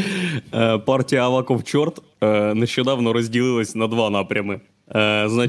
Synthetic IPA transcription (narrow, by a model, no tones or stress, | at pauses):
əpartʲɪjəɐvakoft͡ɕort̪ | nəɕːod̪avnoɾəzʲdʲɪlʲˠilˠəsʲnɐd̪vanapɾʲəmɨ | zna